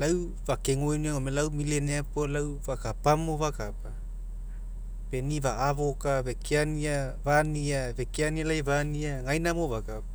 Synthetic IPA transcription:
law | vakeŋojniaomelawmileneapolawvakapamovakapa | pe̞nivaːvo̞kave̞kʰeaniavaniave̞keanialajvaniaŋajnamovakapa

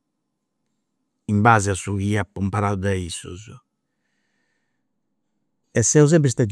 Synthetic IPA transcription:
imbaːziasuɣiːapːumpaɾad̪ud̪aisṵz | ɛsɛwz̬ɛbɾis̬t̪ɛd̪

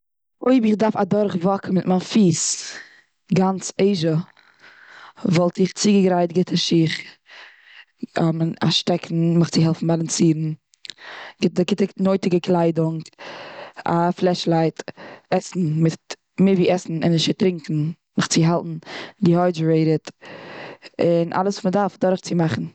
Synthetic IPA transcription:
oɪbɪχdaɾfadɔɾχvɔkəmɪtmanfiːs | ɡant͡seɪʒə | vɔlˠtɪχt͡siɡəɡɾaɪtɡɪtʰəʃiːχ | ɔma̰ʃtɛkʰn̩mɪχt͡sɪɦɛlˠfn̩balˠant͡siːɾn̩ | ɡɪtəɡɪtənoɪtɪɡəklˠaɪdʊŋ | a̰flˠɛʃlˠaɪtɛsn̩mɪt | mɪviːʔɛsn̩ɪnɪʃɪtɾɪŋkn̩ | mɪχt͡sɪɦalˠtn̩dɪhɔɪd͡ʒɾeɪɾət | ɪnʔa̰lˠəsumədaɾfdɔɾχt͡sɪmaχn̩

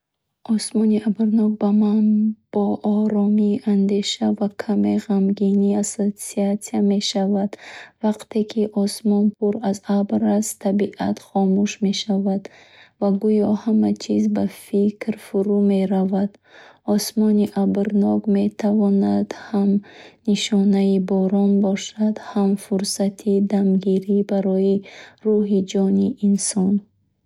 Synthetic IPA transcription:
ʔɔsmɔniʔabɾnɔk̚bamanb̥ɔʔɔɾɔmiːʔand̪e̞ʃavakʰame̞ʁamɡiniasosiat̪siame̞ʃavad̪vaqt̪ʰe̞kʰiʔɔsmɔnpʰuɾazabɾast̪ʰabiʔa̰t̪χɔmuʃme̞ʃavad̪ | vaɡujɔhamat͡ʃʰizbafikɾfuɾume̞ɾavad̪̥ | ɔsmɔniʔabɾnɔkme̞t̪ʰavɔnad̪̥hamniʃɔnaibɔɾɔnbɔʃad̪hamfuɾsat̪ʰid̪amɡiɾibaɾɔjiruɦid͡ʒɔniʔinsɔn

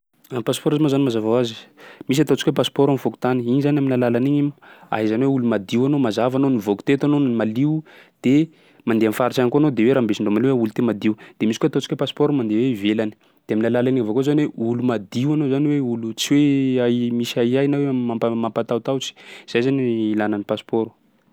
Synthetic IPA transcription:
ampaspɔɾzamazanimazavawazi̥mis̬at̪ot͡si̥kwepasi̥pɔɾamifoku̥t̪aniinizanaminalalaniɲima̰ɦizaniweulumad̪iwanomazavanonivokt̪et̪anonmaliwd̪̥e | mand̪eamfaɾit͡ʃankoanod̪eweɾaːmbesiɳɖ͡ʐomaliuwaulut̪emad̪iwd̪̥emisikoat̪ot͡ʃi̥kwepaspoɾumand̪eweivelani̥ | d̪̥eaminalalaniŋavokozanweulumad̪iwanozaniweulut͡siweamisaiajnawemapamampat̪aut̪awt͡si̥z̥ajzaniilananipaspoɾu̥

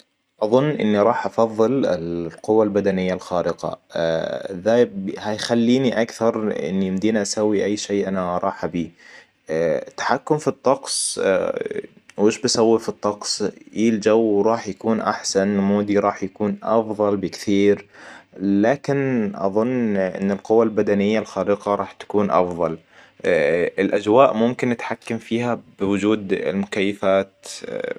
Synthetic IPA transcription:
ʔɑðˤʊnːʔɪ̰nːiɾˤɑːħʔɑfɑðˤːɨlɪ̰lqʊwːalbad̪anɪjːalxɑːɾɪqɑ̰ | ðahajxalːiːniʔakθɑɾˤʔɪ̰nːijɪmd̪iːnʔasawːiʔajːʃeːʔanaɾˤɑːħʔabiː | t̪ːḁħakːʊmfit̪ˤːɑqsˤ | wʔɪʃbasawːifit̪ˤːɑqsˤʔild͡ʒawɾˤɑːħjakuːnʔa̰ħsanmuːd̪iɾˤɑːħjakuːnʔɑ̰fðˤɑlbɪkθiːɾ | laːkɪnʔɑ̰ðˤʊnːʔɪ̰nːɪlqʊwːalbad̪anɪjːalxaːɾiqɑɾˤɑːħt̪ḁkuːnʔɑ̰fðˤɑl | ɪlʔad͡ʒwaːʔmʊmkɪnːɪt̪ħakːamfiːhab̥ɪwʊd͡ʒuːd̪ɪ̰lmʊkajːafaːt̪

